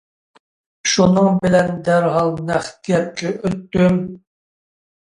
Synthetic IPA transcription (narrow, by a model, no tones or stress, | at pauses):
ʃunɨŋbɪlɛnd̪æɾɦɑlˠnæχɡʲɛp̚kʲʰɛʔøt̪ːym